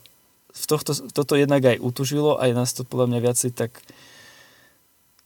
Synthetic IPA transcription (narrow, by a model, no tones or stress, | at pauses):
ft̪ɔxt̪ɔt̪ɔt̪ɔjɛd̪naɡajʔut̪uʒilɔʔa̰jɛnaːst̪ɔpɔd̪lamɲaʋɪat͡sɛjt̪ak